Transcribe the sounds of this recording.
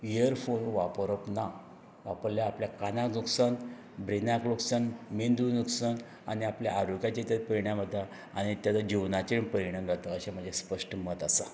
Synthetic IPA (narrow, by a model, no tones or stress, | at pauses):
iəɾfonʋapəɾəpna | ʋapəɾljaːpljakanaknuksan | bɾinakloksanmind̪unuksan | a̰niapljaʔaɾukjat͡ɕet̪at̪pəɾiɳjãm̤ət̪ːa | a̰ñit̪jat̪ad͡ʑiʋnat͡ɕiɳpəɾiɽ̃ə̃ŋɡʱat̪əːɕam̤əɳd͡ʑʱespəʂʈəmət̪asa